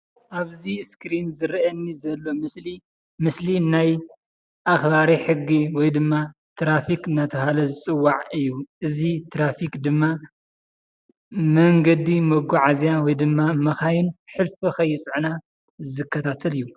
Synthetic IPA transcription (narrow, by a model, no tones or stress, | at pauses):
ʔaβziskɾinzɨɾʔɐnːizɐlːo̞mɨsli | mɨslinaj | ʔaxbaɾiħɨɡːiwɔjd̪ɨmːa | t̪ʰɾafikɨnat̪ʰɐɦalɐzɨt͡sʼɨwːaʕɨjːuʔɨzit̪ʰɾafikd̪ɨmːa | mɐŋɡɐd̪imɐɡuʕazjawɔjd̪ɨmːamɐxajɪnħɨlfixɐjːɪt͡sʼʕna | zɨkːɐt̪ʰat̪ʰɐlɨjːu